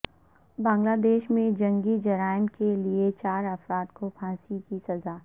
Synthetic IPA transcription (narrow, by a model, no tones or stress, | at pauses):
bãːŋɡlaːd̪eːʃmẽd͡ʒɐ̃ŋɡid͡ʒɐɾaːɪmkeliet͡ʃaːɾɐfɾaːd̪kopʰãːsikisɐzaː